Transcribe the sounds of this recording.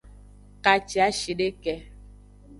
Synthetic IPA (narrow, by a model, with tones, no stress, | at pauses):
ka˨t͡ʃi˨a˨˦ʃi˨ɖe˦kɛ˨